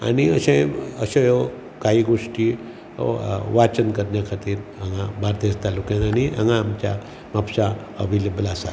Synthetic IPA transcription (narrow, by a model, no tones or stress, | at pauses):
a̰niəɕẽəɕejo | kaɦiːɡoʂʈi | ʋat͡ɕənkəɾnjakʰat̪iːɾə̃ŋabaɾt̪est̪alokãnania̰ŋaːmt͡ɕja | mapsa | əʋeləbəlasa̰